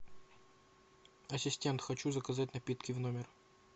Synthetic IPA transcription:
ɐsʲɪsʲtʲe̞nt̪xɐt͡ɕuzəkɐzat̬̚ʲnɐpʲit̪kʲɪvnomʲɪr

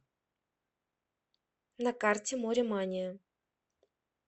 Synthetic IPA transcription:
nɐkartʲɪmoɾʲɪmanʲɪjə

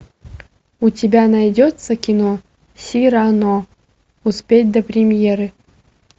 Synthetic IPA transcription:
utʲebʲanɑjdʲot̪səkʲino | sʲiɾano | uspʲet̚ʲd̪ɐprʲɪmʲjeɾɨ

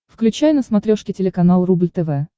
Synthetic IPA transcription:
fklʲʉt͡ɕæjnəsmɐt̪ɾʲoʂkʲɪtʲɪlʲɪkɐnalˠrublʲt̪ɛvɛ

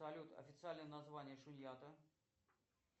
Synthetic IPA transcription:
ɐlʲut̪ɐ̰fʲɪt̪sɨalʲnjənɐzvanʲɪjəʂʊnʲjat̪ə

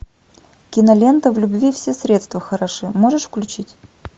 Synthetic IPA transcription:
kʲɪnɐlʲe̞nt̪əvlʲʊbvʲifsʲesɾʲe̞t̪st̪vəxəɾɐʂɨmoʐɨʂfklʲʉt͡ɕitʲ

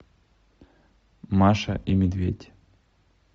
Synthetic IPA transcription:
maʂɐ̰ʔimʲɪd̪vʲetʲ

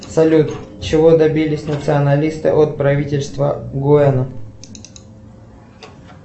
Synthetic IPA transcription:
sɐlʲut̪t͡ɕɪvod̪ɐbʲilʲɪsʲnət̪sɨɐnɐlʲist̪ɨ̰ʔot̪̚pɾɐvʲitʲɪlʲst̪vəɡʊɛnə

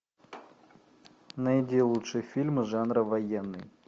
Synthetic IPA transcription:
nɐjɪdʲelˠutʂɨjəfʲilʲmɨʐanɾəvɐjenːɨ̰j

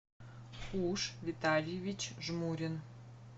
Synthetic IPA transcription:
uʃvʲit̪alʲjevʲit͡ɕʒmuɾʲin

